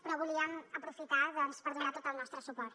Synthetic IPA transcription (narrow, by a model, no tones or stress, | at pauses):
pɾɔβuliəməpɾufit̪aðɔnspəɾðunat̪ot̪əlˠnɔst̪ɾəsupɔɾt̪